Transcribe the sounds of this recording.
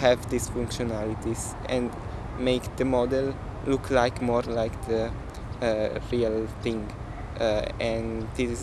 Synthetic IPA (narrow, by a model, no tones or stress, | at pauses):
hɛvd̪isfũŋkʃɔnalit̪is | ɛ̃nd | meɪkd̪əmɔd̪ɛl | lukʰlaɪkmɔɾlajkd̪ə | ɾiəlθɪ̃ŋɡ | ɛ̃ndiz